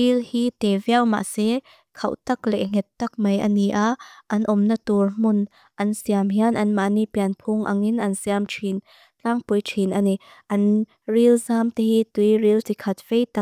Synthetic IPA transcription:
ilhiːt̪eviawma̰ʔsɛ | kʰɐwt̪ɐklɛ̰ʔŋɛt̪ːɐk̚mɐjʔəniʔaʔɐnʔɔmnət̪urm̥ʊn | ʔɐnsiamɦianʔɐnmaʔniʔpiɐnpʰʊŋʔa̰ŋinʔɐnsiamʈ͡ʂʰin | t͡ɬaŋpujʈ͡ʂʰinʔani | ʔɐn | rilzamt̪ehit̪ujrilt̪ikʰɐt̪̚v̥ejt̪a

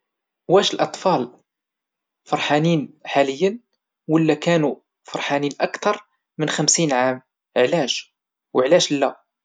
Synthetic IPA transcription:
wæʃəlʔɑt̪ˤfɑl | fɑɾˤħaniːnħaləjːən | wəlːækænu | fɑɾˤħaniːnʔækt̪ɑɾˤ | mənxæmsinʕam | əʕlæʃ | wəʕlæʃlːæ

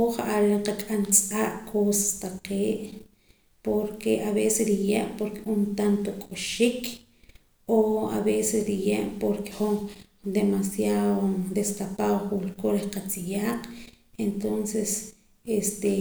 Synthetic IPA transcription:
uχaʔaɾeqakʼant͡sʼaʔkʰosḁst̪aqeːʔ | poɾkeʔaβesesɾijeʔpoɾkeunt̪ant̪okʼuʃik | oa̰βesesɾijeʔpoɾke̥χuŋ | d̪emasjaðod̪est̪apawχulkoɾihqat͡sijaːqent̪onses | est̪e

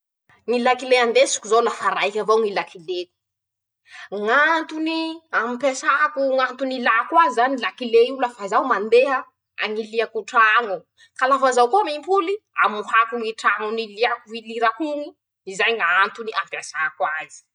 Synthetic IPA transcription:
ŋilakileand̪esi̥kuzolafaɾajkʲavawŋilakileku̥ | ŋant̪uniamipasakuŋant̪unilakwazizanilakileiuləfazawmand̪eɦa | a̰ŋiliakuʈ͡ʂaŋu | kalafazawkomimpulia̰muhakuŋiʈ͡ʂaŋuniliakuviliɾakuŋi | izajŋaant̪uniʔampasakwazi̥

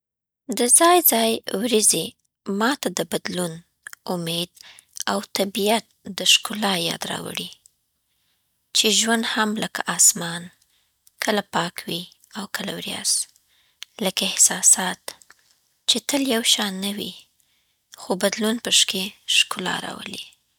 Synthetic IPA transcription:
d̪əzɑjzɑjwɾizi | mɑt̪ad̪əbad̪lun | ʊmed̪ | awt̪abijat̪̚d̪əʃkʊlɑjɑ̰d̪ɾɑ̰wə̰ɽi | t͡ʃeʒwand̪hamləka̰ʔɑsmɑn | kʰəlapɑkwi | awkəla̰wɾjɑ̰s | ləkaɪhsɑsɑt̪ | t͡ʃet̪əljawʃɑnawḭ | xobad̪lunpəʃkeʃkʊlɑ̰ɾɑ̰wə̰li

